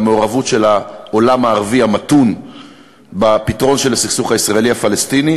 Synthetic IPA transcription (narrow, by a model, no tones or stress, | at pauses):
meoʁavutʃe̞laolamaːʁviamatun | bapitʁo̞nʃelasiχsuχaisʁae̞liafalest̪ini